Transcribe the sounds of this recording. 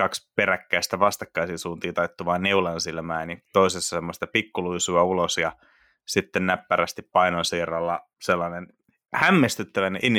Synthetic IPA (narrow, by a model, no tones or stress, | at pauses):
kɑkspeɾækːæist̪æʋɑst̪ɑkːɑisinsuːnt̪iːt̪ɑit̪ːuʋɑːnneulɑnsilmæːnit̪oisesːɑ̥semːost̪ɑpikːuluisuɑulosjɑ | sit̪ːennæpːæræst̪ippɑinonsiːrɑlːɑ | selːɑnen | hæmːest̪yt̪ːæʋæneʔinː